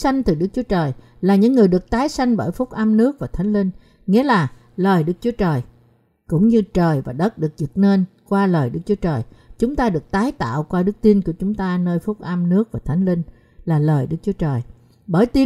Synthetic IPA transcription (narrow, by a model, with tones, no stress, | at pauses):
sa˧jŋ̟t̪ɨ˨˩ɗɨ˦˥k̚t͡ɕu˨˦ət͡ɕəː˨˩j | laː˨˩ɲɨ̰˧˥ŋːɨ˨˩əjɗɨ˨˩ək̚t̪aː˨˦jsa˧jŋ̟ɓəː˧˩jfʊ˦˥k͡p̚ʔə˧mnɨ˦˥ək̚vaː˨˩t̪ʰa˨˦jŋ̟lï˧ŋ̟ | ŋḭ˧˥laː˨˩ | ləː˨˩jɗɨ˦˥k̚t͡ɕu˨˦ət͡ɕəː˨˩j | kʊ̰˧˥ŋ͡mɲɨ˧t͡ɕəː˨˩jvaː˨˩ɗə˦˥t̚ɗɨ˨˩ək̚zɨ˨˩t̚ne˧n | kwaː˧ləː˨˩jɗɨ˦˥k̚t͡ɕu˨˦ət͡ɕəː˨˩jt͡ɕʊ˨˦ŋ͡mt̪aː˧ɗɨ˨˩ək̚t̪aː˨˦jt̪a̰ː˧˨wkwaː˧ɗɨ˦˥k̚t̪i˧nku˧˩ət͡ɕʊ˨˦ŋ͡mt̪aː˧nəː˧jfʊ˦˥k͡p̚ʔə˧mnɨ˦˥ək̚vaː˨˩t̪ʰa˨˦jŋ̟lï˧ŋ̟ | laː˨˩ləː˨˩jɗɨ˦˥k̚t͡ɕu˨˦ət͡ɕəː˨˩j | ɓəː˧˩jt̪i˧